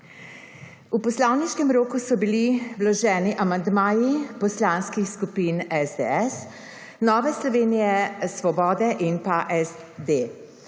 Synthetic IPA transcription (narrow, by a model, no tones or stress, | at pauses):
upɔslawniʃkɛmɾoːkusɔbiliwlɔʒɛːniʔamand̪maːjipɔslanskixskupinɛzd̪ɛɛs | nɔːʋɛslɔʋeːnijɛsʋɔbɔːd̪ɛʔinpaʔɛzd̪e